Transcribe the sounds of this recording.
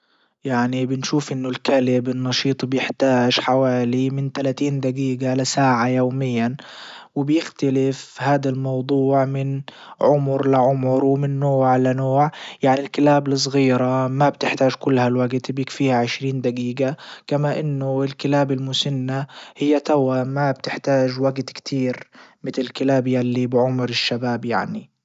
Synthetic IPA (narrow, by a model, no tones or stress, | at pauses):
jaʕnibɪnʃuːfʔɪnːʊlkalɪbɪnːɑʃiːt̪ˤbjɪħt̪aːʒħawaːlimɪnt̪alat̪iːnd̪aɡiːɡalasaːʕajoːmɪjːanwɪbjɪxt̪alɪfhaːd̪almɑwd̪ˤuːʕmɪn | ʕʊmʊɾlɪʕʊmʊɾwɪmɪnːoːʕlanoːʕjaʕnilkɪlaːblɨs̬ˤɣiːɾamab̚t̪ɪħt̪aːʒkʊlːhalwaɡt̪bjɪkfiːhaʕɪʃɾiːnd̪aɡiːɡakamaʔɪnːʊɪlkɪlaːbɪlmʊsanːahɪjːat̪awamab̚t̪ɪħt̪aːʒwaɡt̪kt̪ʰiːɾmɪt̪lɪlkɪlaːbjalːibɪʕʊmɾɪʃːabaːbja̰ʕni